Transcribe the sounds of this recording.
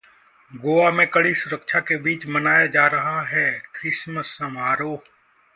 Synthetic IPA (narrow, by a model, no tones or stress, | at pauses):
ɡoːaːmẽːkəɽiːsʊɾəkʃʰaːkebiːt͡ʃmənaːjaːd͡ʒaːɾəɦaɦɛːkɾɪsməsːəmaːɾoː